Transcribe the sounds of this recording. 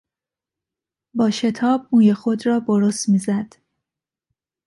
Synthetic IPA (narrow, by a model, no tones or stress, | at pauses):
bɒːʃe̞t̪ʰɒːb̚muːjexod̪ɾɒːboɾost̪miːzæd̪̥